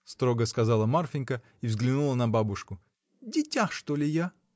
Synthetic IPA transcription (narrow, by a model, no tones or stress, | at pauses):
st̪ɾo̞ɡəskɐzɑlˠəmarfʲɪnʲkə | ivzɡlʲɪnulˠənɐbabʊʂkʊ | dʲɪtʲaxʂt̪olʲɪja